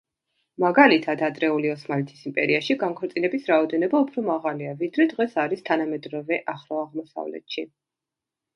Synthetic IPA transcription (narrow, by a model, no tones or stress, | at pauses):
maɡalit̪ʰad̪ad̪ɾɛuliɔsmalit̪ʰisimpʼɛ̰ɾiaʃiɡaŋkʰɔɾt̪sʼinɛbisɾaɔd̪ɛnɔbaupʰɾɔmaʁaliavid̪ɾɛd̪ʁɛsaɾist̪ʰanamɛd̪ɾɔvɛʔaχɾɔaʁmɔsa̰vlɛ̰t̪ʃi